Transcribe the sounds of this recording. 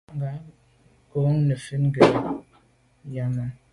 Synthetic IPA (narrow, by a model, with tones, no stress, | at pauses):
ŋɡa˨˦ | ko˨˦ŋ˦nə˨fi˦nɡe˨ | ja˦ma˦